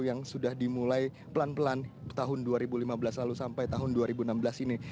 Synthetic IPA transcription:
jaŋsudahdimulaj | pəlanpəlant̪aɦʊnduaɾibulimabəlaslalusampajt̪aɦʊnduaɾibuənambəlasini

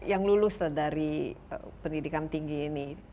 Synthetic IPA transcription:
jaŋlulʊsladaɾiə̰pəndidikant̪iŋɡiːni

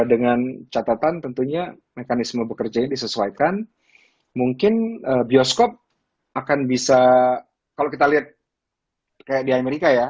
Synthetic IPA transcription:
dəŋant͡ʃat̪at̪ant̪ənt̪uɲa | mekanɪsməbəkərd͡ʒajadisəsuajkan | muŋkɪnəbiɔskɔp̚ | akanbisa | kalokit̪aliat̪̚ | kajak̚diameɾikaja

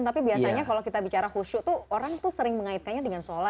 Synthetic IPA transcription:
t̪apibiasaɲakalokit̪abit͡ʃaɾahuʃut̪uoɾaŋt̪usəɾɪŋməŋaɪt̪̚kanɲadəŋansola

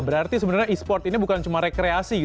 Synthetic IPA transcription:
bəɾart̪isəbənarɲaispɔrt̪inibukant͡ʃumaɾekɾeasiɡi

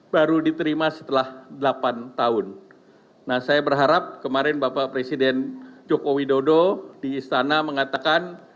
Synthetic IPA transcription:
baɾudit̪əɾimasə̥t̪əlahdəlapant̪aʊnː | ahsajabərɦaɾap̚kəmaɾɛnbapapɾesidɛnd͡ʒokowidododiːst̪anaməŋat̪akan

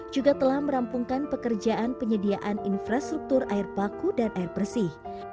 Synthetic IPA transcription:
d͡ʒuɡat̪əlahməɾampuŋkanpəkərd͡ʒaʔanpəɲədiaʔaninfɾast̪ɾuk̚t̪uraɪrpakudanʔaɪrpərsɪh

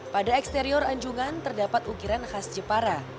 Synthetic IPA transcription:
padaɛkst̪eɾiɔɾaɲd͡ʒuŋant̪ərdapat̪uɡiɾanhasd͡ʒəpaɾa

